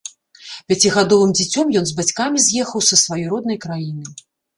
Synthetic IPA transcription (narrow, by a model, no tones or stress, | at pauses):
pʲat͡sʲiɣad̪ɔvɨmd͡zʲit͡sʲɔmjɔnzbat͡sʲkamʲizʲjɛxɐwsɐsvajɔjɾɔd̪̚nɐjkɾajinɨ